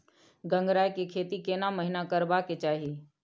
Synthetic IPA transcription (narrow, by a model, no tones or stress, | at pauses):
ɡə̃ŋɡɾaːjkekʰeːt̪ikenaməɦɪnakəɾbaket͡ʃaːɦi